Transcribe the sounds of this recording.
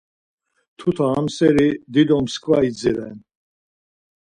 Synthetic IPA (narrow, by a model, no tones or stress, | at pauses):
t̪ʰut̪ʰaamsɛɾid̪id̪ɔmskʰvaid͡ziɾɛ̰n